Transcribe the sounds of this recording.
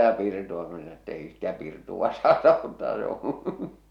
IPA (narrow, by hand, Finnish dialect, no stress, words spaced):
jɑ pirtuɑ ko se sɑno etː ei stæ pirtuʋ̆ɑ sɑːtɑ otːɑː se õː